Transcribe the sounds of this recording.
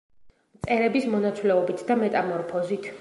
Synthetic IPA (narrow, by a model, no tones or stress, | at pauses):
mt̪sʼɛɾɛbismɔnat̪sʰwlɛɔbit̪ʰd̪amɛt̪ʼamɔɾpʰɔzit̪ʰ